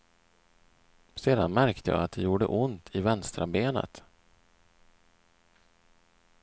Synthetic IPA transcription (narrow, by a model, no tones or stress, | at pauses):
seːd̪anmæɾkt̪ʰəjɑ̰ːat̪̚d̪ɛjuːɖə̰ʔʊnt̪ʰɪvɛnst̪ɾabeːnə̰t̪